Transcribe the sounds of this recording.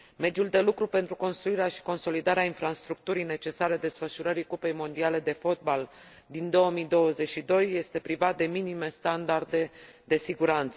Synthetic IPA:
me̞d̪juld̪e̞lukɾupe̞nt̪ɾuko̞nst̪ɾuiɾeaʃi̥ko̞nso̞lid̪aɾeainfɾast̪ɾuk̚t̪uɾijne̞t͡ʃe̞saɾe̞d̪e̞sfəʃuɾəɾikupe̞jmo̞nd̪iale̞d̪e̞fo̞t̪̚bal | d̪ind̪o̞əmid̪o̞wəze̞t͡ʃʃid̪o̞jːe̞st̪e̞pɾivat̪̚d̪e̞minime̞st̪and̪ard̪e̞d̪e̞siɡuɾant̪sə

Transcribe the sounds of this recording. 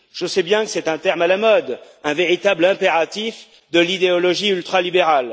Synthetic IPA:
ʒ̥əsɛbjɛ̃kə̥sɛt̪ɛ̃t̪ɛʁmalamɔd̪ | ɛ̃veʁit̪ablɛ̃peʁat̪if | d̪əlid̪eɔlɔʒiylt̪χalibeʁal

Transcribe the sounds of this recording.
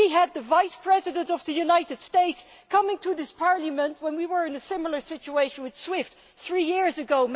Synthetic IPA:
iəd̪̚ðɨvaɪspʰɹ̥ɛzɨdə̃ntʌvðɨjunaɪɾɨd̥steɪtskʰʌmɪ̃ŋtʰɨðɪspʰɑɹlˠəmə̃ntwə̃nwiwə˞ɨ̃nɨsɪ̃ml̩ˠə˞sɪt͡ʃueɪʃə̃nwɨð̥swɪft | θɹijɪɹzɨɡoʊm

